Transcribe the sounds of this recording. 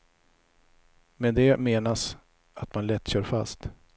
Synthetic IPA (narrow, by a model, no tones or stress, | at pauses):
mɛd̪ɛmeːnas | at̪manlɛt̪ːɕœːɾfast̪